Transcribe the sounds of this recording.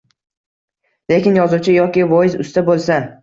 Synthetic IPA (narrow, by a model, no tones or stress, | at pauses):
le̞kʲɪnjɒzut͡ʃʰɪjɒkʲɪvɒjɪzʊ̰st̪abolˠsan